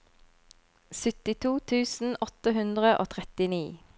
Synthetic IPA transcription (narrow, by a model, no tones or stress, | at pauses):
sʏt̪ɪt̪ʰuːt̪ʰʉːsn̩ɔt̪əɦʉnd̪ʁəʔo̰ːt̪ʰʁɛt̪ɪniː